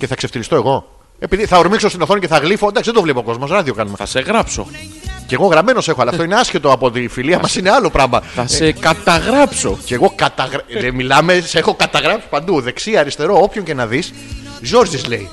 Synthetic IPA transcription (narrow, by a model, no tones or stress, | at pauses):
ceθɐkse̞ft̪ilist̪o̞eɣo̞ | e̞piðiθɐoɾmiksost̪inoθo̞niceθɐɣlifo̞nd̪ɐksiðd̪ovlepoko̞zmo̞sɾɐðiokɐnumeɐ̰seɣɾɐpso̞̰ceɣo̞ɣɾɐme̞no̞se̞xoɐlɐft̪oine̞ɐsçe̞t̪o̞ɐpoot̪iːfiliɐmɐsineɐlo̞pɾɐmɐθɐsekɐt̪ɐɣɾɐpso̞̰ceɣo̞kɐt̪ɐɣɾɐemilɐme̞sexo̞kɐt̪ɐɣɾɐpsi̥pɐnd̪uðe̞ksiɐɾist̪e̞ɾo̞opço̞ɲcenɐðis | ʝo̞ɾzizle̞i